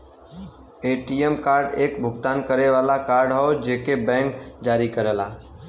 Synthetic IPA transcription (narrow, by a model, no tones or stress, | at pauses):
eːʈiemkaːɾɖeːkbʱʊɡt̪aːnkəɾeʋaːlakaːɾɖɦəod͡ʒeːkebɛ̃ːŋkd͡ʒaːɾikəɾəlaː